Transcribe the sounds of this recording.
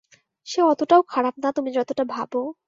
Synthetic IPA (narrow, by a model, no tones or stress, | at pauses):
ʃeɔt̪oʈaokʰaɽap̚nat̪umid͡ʑɔt̪oʈabʱabo